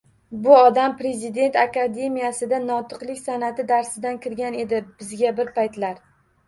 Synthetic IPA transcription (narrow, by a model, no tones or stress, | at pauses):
bʊɒd̪ampɾe̞zɪd̪e̞nt̪akad̪e̞mijasɪd̪anɒt̪ʰɨqlˠɪkʲsanat̪ɪd̪aɾsɪd̪ankʲɪɾɡʲane̞d̪ɪb̥ɪzɡʲabɪɾpajt̪laɾ